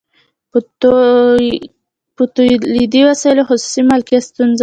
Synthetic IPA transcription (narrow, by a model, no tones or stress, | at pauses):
put̪ulid̪iwasajlohʊsu̥simalkjast̪unza